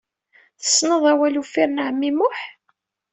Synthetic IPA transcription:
θə̥sːnəðˤæwælufiɾnaʕmːimʊħ

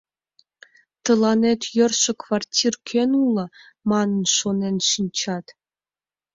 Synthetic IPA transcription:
t̪ɤ̆lˠɑnet̪jø̆rʃɘ̆kvɑrtʲʰirkʲʰenulˠɤ̆ | mɑnɤ̆nʃonenʃinʲt͡ɕɑt̪

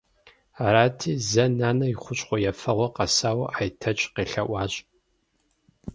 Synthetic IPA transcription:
aːɾaːtʰiːzɐnaːnɐjiχʷʊɕʼχʷɔjɛfɐʁʷɔqɐsaːwɐʔaːjtʰɐt͡ʃʼqeːɬɐʔʷɑːɕʼ

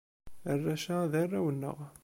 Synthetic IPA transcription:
ərːæʃæðərːæwənːə̰ʁ

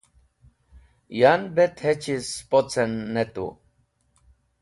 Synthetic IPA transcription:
janbɛt̪ʰhɛt͡ʃʰispot͡sʰɛnːɛt̪ṵ

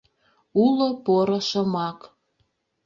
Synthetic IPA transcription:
ulopoɾoʃəmɑk

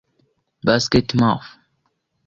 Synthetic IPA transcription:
baskɛtmaf

